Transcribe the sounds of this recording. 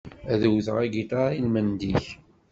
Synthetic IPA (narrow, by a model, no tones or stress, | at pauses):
æðəwθəʁæɡit̪ailmənd̪iç